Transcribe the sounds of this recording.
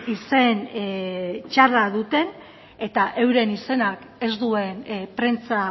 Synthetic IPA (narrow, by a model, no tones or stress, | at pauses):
ise̞n | t͡ʃaraðut̪e̞n | e̞t̪aʔe̞wɾe̞nise̞nak | e̞zd̪ue̞npɾe̞nt͡sa